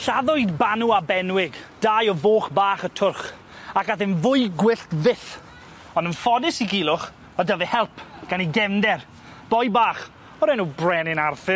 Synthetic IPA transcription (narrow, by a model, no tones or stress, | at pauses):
ɬaðʊɨdbanuabɛnwɪɡd̥ajɔvoːχbaːχətʰʊrχ | akaθɪnvʊɨɡwɪɬtvɪθ | ɔndənfɔdɪsiɡiːlˠʊχ | ɔdəvɛhɛlˠpʰɡ̥aniɡɛmdɛr | b̥ɔjbaːχ | ɔɾɛnuːbrɛnɪnarfɪ